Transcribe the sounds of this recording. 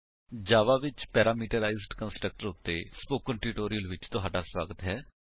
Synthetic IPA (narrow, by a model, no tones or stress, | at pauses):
d͡ʒaːʋaːʋɪt͡ʃpɛːɾaːmiːʈəɾaːɪzɖkə̃nsʈɾək̚ʈəɾʊt̪ːespoːkːəɳʈɾiːʈoːɾijəlʋɪt͡ʃt̪ʊɦaːɖaːswaːɡət̪ɦɛː